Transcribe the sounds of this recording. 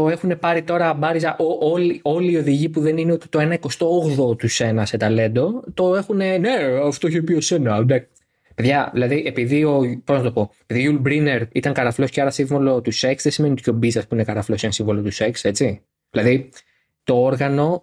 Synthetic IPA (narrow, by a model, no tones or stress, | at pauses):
t̪o̞e̞xune̞pɐɾit̪o̞ɾɐbɐɾizɐʔoʔo̞lio̞liːo̞ðiʝipuðe̞nineo̞t̪i̥t̪o̞e̞nɐiko̞st̪o̞oɣðo̞t̪use̞nɐse̞t̪ɐle̞nd̪o̞t̪o̞e̞xune̞ne̞ɐft̪oçeopiose̞nɐd̪ɐ | pe̞ðʝɐðilɐðiʔe̞piðio̞po̞znɐt̪o̞po̞epiðiʝulbɾine̞ɾit̪ɐŋkɐɾɐflo̞sceɐɾɐsiɱvolo̞t̪use̞ksðesime̞nit̪co̞biznɐspuinekɐɾɐflosenɐsiɱvo̞lo̞t̪use̞kse̞t͡si | ðilɐði | t̪o̞oɾɣɐno̞